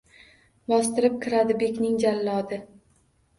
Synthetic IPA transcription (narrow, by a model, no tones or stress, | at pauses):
bɒst̪ɪɾɪp̚kʲʰɪɾad̪ɪbe̞kʲnɪŋd͡ʒalːɒd̪ɪ